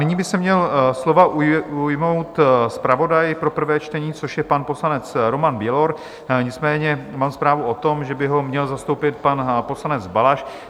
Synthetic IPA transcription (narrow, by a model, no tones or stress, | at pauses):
nɪɲiːbɪsɛmɲɛlslo̞vaʔujujmowt̪spɾavo̞dajpɾo̞pr̩vɛːt͡ʃt̪ɛɲiːt͡so̞ʃjɛpanpo̞slanɛt͡sɾo̞manbjɛlo̞ɾ | ɲɪt͡smɛːɲɛmaːmspɾaːvuot̪o̞mʒɛbɪɦo̞mɲɛlzast̪owpɪt̪̚panpo̞slanɛd͡zbalaʃ